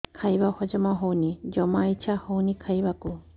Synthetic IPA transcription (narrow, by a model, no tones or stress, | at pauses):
kʰajbahɔd͡ʒɔmaɦownid͡ʒɔmait͡ʃʰahownikʰajbaku